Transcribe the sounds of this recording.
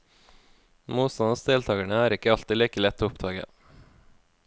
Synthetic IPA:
muːt̪st̪ɑnɑsd̪eːlt̪ʰɑːɡæɳəæːɾɪkəɑlt̪ɪliːkəlɛt̪ʰːoːʊp̚d̪ɑːɡə̰

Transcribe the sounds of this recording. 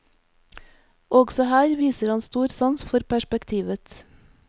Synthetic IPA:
ɔɡsɔhæːɾʋiːsəɾhɑnst̪uːɾsɑnsfɔɾpʰæʃpɛkt̪ʰiːʋət̪

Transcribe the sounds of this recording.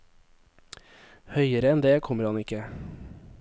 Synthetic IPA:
hœʏəɾəɛnd̪eːkʰɔməɾhɑnɪkə

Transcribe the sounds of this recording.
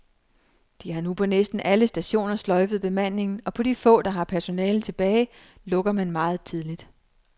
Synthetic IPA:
d̥ihɑ̈nupʰɒ̽nesd̥n̩ʔæləsd̥æɕo̝̰ːnɐslɒ̽ɪfð̩ˠb̥e̝mæn̰ne̝ŋn̩ɒ̽pʰɒ̽d̥ifɔ̰̽ːd̥ɑ̈ɦɑ̈pʰæɐso̝nɛːl̩t͡sʰe̝b̥ɛːɪ | lɔ̽ɡ̥ɐmænmɑ̈ːð̩ˠt͡sʰið̞ˠlid̥

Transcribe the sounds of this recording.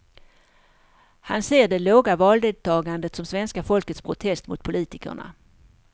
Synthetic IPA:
hanseːɖɛloːɡavɑːld̪eːd̪̚t̪ʰɑːɡand̪ət̪sɔmsvɛnskafɔlkət̪spʰɾʊt̪ʰɛst̪mʊt̪̚pʰʊliːt̪ɪkə̰ɳa̰

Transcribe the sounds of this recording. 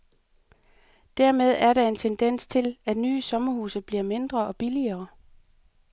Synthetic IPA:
d̥æɐmeð̞ˠæɐɾ̥ɑ̈e̝nt͡sʰend̥en̰st͡sʰe̝læd̥nyːsɒ̽mɐhuːsəb̥liɐme̝nd̥ʁɐɒ̽b̥iliɐː

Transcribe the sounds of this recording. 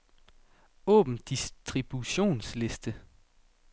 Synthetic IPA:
ɔ̰ːb̥m̩d̥isd̥ʁib̥uɕo̝̰ːnsle̝sd̥ə

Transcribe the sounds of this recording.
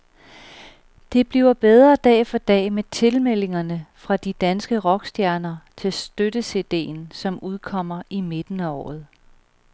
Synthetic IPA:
d̥e̝b̥liʊɐb̥eð̞ˠʁɐd̥ɛ̰ːfɒ̽d̥ɛ̰ːmet͡sʰe̝lmel̰e̝ŋɐnəfʁɑ̈d̥id̥ænsɡ̥əʁɒ̽ɡ̥sd̥jæɐnɐt͡sʰe̝lsd̥ød̥əse̝ːd̥e̝̰ːnsɒ̽muð̞ˠkʰɒ̽m̰ɐʔime̝d̥n̩æɒ̰ːð̞̩ˠ

